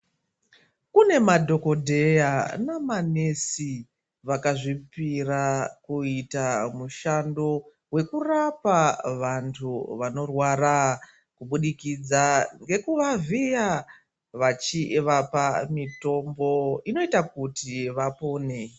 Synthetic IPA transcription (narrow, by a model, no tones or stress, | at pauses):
kune̞madʱo̞ko̞dʱe̞janamanesi | ʋakaʐipirakuitamuʃando̞ | we̞kurapaʋantʰuʋano̞rwara | kuɓuɗikid͡zaŋɡe̞kuʋavija | ʋat͡ʃiʋapamito̞mbo̞ino̞itakutiʋapo̞ːne̞